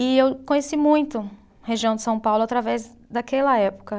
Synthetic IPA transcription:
ɪewkõɲesimũj̃t̪ʊ | heʒiɐ̃d̪ɪsɐ̃w̃pawlʊat̪ɾavɛz | d̪akɛlɐɛpʊ̥kɐ

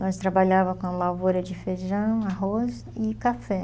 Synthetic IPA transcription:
nɔ̃st̪ɾabaʎavɐkõlavoɾɐd͡ʒɪfeʒɐ̃w̃aɦoz | ɪkafɛ

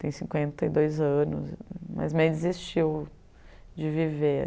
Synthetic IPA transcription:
t̪ẽj̃sĩkwẽnt̪ɐɪd̪ojzɐ̃nʊ̰zmɐ̰zmẽj̃d͡ʒɪzist͡ʃiw | d͡ʒɪvive

